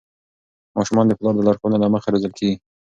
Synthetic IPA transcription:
mɑʃʊmɑnd̪əplɑɾd̪əlaɾxonalaməxaɾezəlkʰeɡi

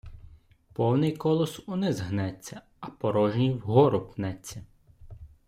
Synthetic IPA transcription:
pɔwnɪjkɔlˠɔsunɪzɦnɛt͡sʲːɐ | ɐpɔɾɔʒnʲiwɦɔɾʊpnɛt͡sʲːɐ

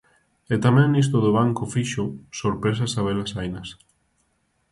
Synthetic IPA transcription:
et̪amɛ̃ŋnis̬t̪oðoβ̞aŋkofiʃʊsoɾpɾes̬asaβ̞elasajnɐs

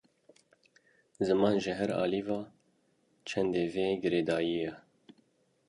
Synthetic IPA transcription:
zɨmɑːnʒɨɦɛɾɑ̰ːlivɑː | t͡ʃʰɛnd̪eːveːɡɨɾeːd̪ɑːjijɛ

